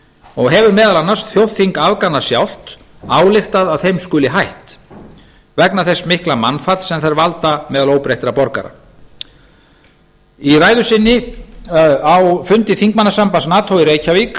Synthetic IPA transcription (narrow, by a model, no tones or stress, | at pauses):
ɔɣɦɛvʏɾmɛːðalanːasθjowθθiŋkavkanːasjawl̥t̪ | aːwlɪxt̪aðavθejmskʏːlɪɦajht̪ | vɛknaθɛsmɪhklamanfat̪sɛmθaɾvalt̪amɛːðaloːwpɾejht̪ɾapɔɾka̰ɾa̰ | iraːjðʏsɪnːɪ | awfʏnt̪ɪθiŋk̚manasampansnaːt̪ʰowiɾeːjcʰavik